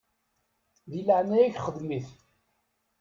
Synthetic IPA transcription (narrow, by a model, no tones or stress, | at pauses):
ðiləʕnæjiçχəðmiθ